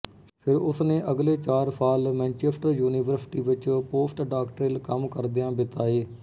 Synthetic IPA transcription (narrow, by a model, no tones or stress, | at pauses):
pʰɪɾʊsnẽːʔəɡleːt͡ʃaːɾsaːlmɛ̃ːnt͡ʃeːpʈəɾjuːniːʋəɾsɪ̥ʈiːʋɪt͡ʃpoːsʈɖaːkʈɾɪːlkəmkəɾd̪eːãːbɪt̪aːeː